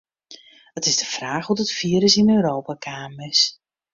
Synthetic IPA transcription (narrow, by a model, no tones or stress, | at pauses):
ətɪzdəfraːxhutətfiəɾəsɪnøːɾowpakʰaːmɪs